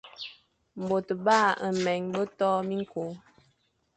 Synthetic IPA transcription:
m̩˨bo˨tba˦˨ə˨mɛ˨ŋbə˦tɔ˦mi˦ŋ˦ko˨˦

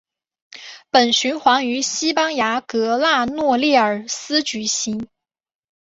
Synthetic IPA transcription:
pə˨˩nɕy˧˥nxwɑ˧˥ŋy˧˥ɕi˥pɑ˥ŋja˧˥kɤ˧˥la˥˧nwɔ˥˧ljɛ˥˩ə˞˨˩sɹ̩˥t͡ɕy˧˥ɕi˧˥ŋ

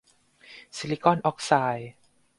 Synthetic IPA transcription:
si˧li˦kɔ˥˩nʔɔ˦˥k̚saː˧j

